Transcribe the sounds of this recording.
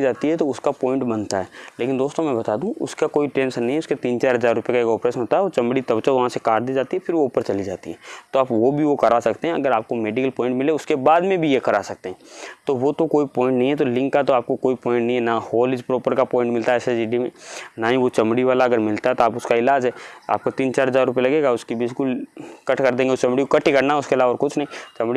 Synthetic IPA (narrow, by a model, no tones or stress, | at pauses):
id͡ʒaːt̪iɦɛt̪oʊskapɔ̃ːɪ̃ɳʈbɐnt̪aɦɛːleːkɪnd̪oːst̪õmɛ̃bɐt̪aːd̪ũʔʊ̰skakoːiʈɾẽːnsnɐɦĩɛʊsket̪iːnt͡ʃaːɾɦɐzaːɾːʊpjekaeːkɔːpɾeːʃə̃nɦoːt̪aɦɛʋot͡ʃɐmɽit̪ɐbt͡ʃaʋɐɦãsekaːɾʈ̚d̪iːd͡ʒaːt̪iɦɛfʰɪɾʋoʊpəɾt͡ʃɐlid͡ʒa̰ːt̪ḭɦɛt̪oaːpʋobʱiʋokɐɾasɐkt̪eɦɛ̃ɐɡəɾaːp̚komeːɖɪkəlpɔ̃ːɪ̃ɳʈmɪleʊskebaːd̪mẽbʱijekɐɾa̰sɐk̚t̪eɦɛ̃t̪oʋot̪okoːipɔ̃ːɪ̃ɳʈnɐɦĩɦɛt̪̬olɪ̃ŋkːat̪oaːp̚kokoːipɔ̃ːɪ̃ɳʈnɐɦĩɛnahoːlɪd͡ʒpɾɔːpəɾkapɔ̃ːɪ̃ɳʈmɪlt̪aɦɛːsed͡ʒɪɖimḛ̃naːɦĩʋot͡ʃɐ̃mɽiʋaːlaɐɡəɾmɪlt̪aɦɛt̪oaːpʊskaɪlaːd͡ʒɦɛa̰ːp̚kot̪iːnt͡ʃaːɾɦɐzaːɾʊpelɐɡeːɡaʊskibiskʊlkɐʈʰkɐɾd̪ẽːŋɡeot͡ʃɐ̃mɽikokɐʈikɐɾnaɛʊskelaːʋɔɾkʊt͡ʃʰnɐɦĩt͡ʃɐmɽi